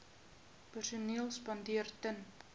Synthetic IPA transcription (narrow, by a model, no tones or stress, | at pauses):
pərsuniəlˠspɐndiərtən